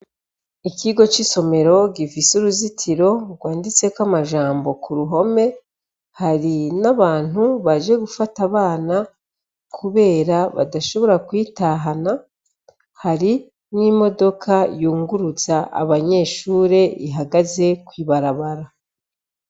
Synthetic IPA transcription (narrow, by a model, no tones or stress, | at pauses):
ikiɡo̞t͡ʃiso̞me̞ɾo̞ɡifisuɾuzitʰiɾo̞ɡwaːndit͡se̞kwamaʒaːmbo̞kuɾuɦo̞me̞ | haɾinaβaːn̥huβaʒe̞ɡufataβaːna | kʰuβe̞ːɾaβa̰daʃo̞βo̞ɾakwiːtaɦana | haɾi | nimo̞do̞kʰajuːŋɡuɾuzaʔa̰βaɲe̞ːʃuːɾe̞iɦaɡaze̞kwiːβaɾaβaɾa